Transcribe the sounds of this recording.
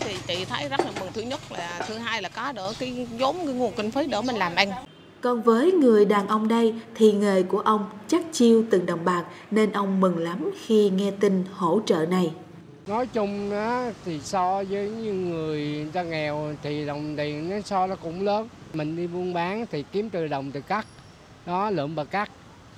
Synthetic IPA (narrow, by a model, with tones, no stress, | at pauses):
t̪ʰi˨˩t͡ɕḭ˧˨t̪ʰə˨˦jzə˦˥t̚laː˨˩mɨ˨˩ŋt̪ʰɨ˨˦ɲə˦˥t̚laː˨˩t̪ʰɨ˨˦ɦaː˧jlaː˨˩kɔ˨˦ɗəː˧˩kaː˨˦jzo˨˦mkaː˨˦ŋu˨˩ənki˧ŋ̟fə˨˦jɗəː˧˩mï˨˩ŋlaː˨˩mʔa˧jŋ̟ | kɔ˧˩nvəː˨˦jŋɨ˨˩əjɗaː˨˩nʔə˧wŋ͡mɗə˧jt̪ʰi˨˩ŋeː˨˩jku˧˩əʔə˧wŋ͡mt͡ɕa˦˥k̚t͡ɕi˧wt̪ɨ˨˩ŋɗə˨˩wŋ͡mɓaː˨˩k̚ne˧nʔə˧wŋ͡mmɨ˨˩ŋla˨˦mxi˧ŋɛ˧t̪i˧ŋ̟ho̰˧˥t͡ɕə̰ː˧˨na˨˩j | nɔ˨˦jt͡ɕʊ˧ŋ͡maː˨˦t̪ʰi˨˩sɔ˧zəː˨˦jɲɨ˧ŋɨ˨˩əjzaː˧ŋɛ˨˩wt̪ʰi˨˩ɗə˨˩wŋ͡mt̪i˨˩ənnɔ˨˦sɔ˧nɔ˨˦kʊ̰˧˥ŋ͡mləː˨˦nmï˨˩ŋ̟ɗi˧ɓu˧ənɓaː˨˦ŋt̪ʰi˨˩ki˨˦əmt̪ɨ˨˩ɗə˨˩wŋ͡mt̪ɨ˨˩ka˦˥k̚ | nɔ˨˦lə̰ː˧˩nɓəː˨˩ka˦˥k̚